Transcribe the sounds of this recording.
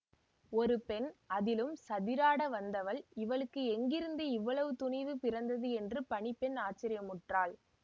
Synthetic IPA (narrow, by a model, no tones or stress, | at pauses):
ɔɾɯpɛnɐðɪlɯmsɐðɪɾaːɽɐʋɐnd̪ɐʋɐɭɪʋɐɭɯkːɯɛŋɡɪɾɯnd̪ɯɪʋːɐɭɐʋɯt̪ʊɳɐɪʋɯpɪɾɐnd̪ɐðɯɛndrɯpɐɳɪpːɛnaːt͡ʃːɪɾɪjɐmʊʈraːɭ